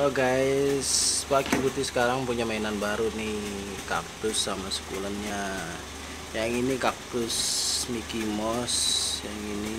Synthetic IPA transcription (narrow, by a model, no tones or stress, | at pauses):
ɔɡaɪswakibut̪ɪsə̥kaɾaŋpuɲamainanbaɾunɪh | ka̰p̚t̪ʊsːamasə̥kṵlanɲa | jaŋinikap̚t̪ʊsmikimɔsjaŋini